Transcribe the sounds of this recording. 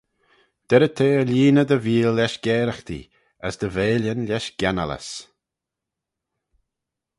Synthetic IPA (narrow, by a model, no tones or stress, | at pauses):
d̪̥ɛɾət̪ʰeːəlʲiːnəd̪əviːlːɛʃɡ̥ɛːɾəxt̪ḭ | əsd̪əveːljənlʲɛʃɡ̥ɛna̰lə̰s